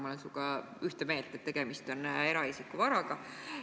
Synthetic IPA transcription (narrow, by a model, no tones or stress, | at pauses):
mɑlensukɑ | yht̪eme̞ːlt̪ːˑet̪ːe̞ɡ̥e̞mist̪o̞ne̞ɾɑisikːˑuvɑɾɑɡ̥ɑ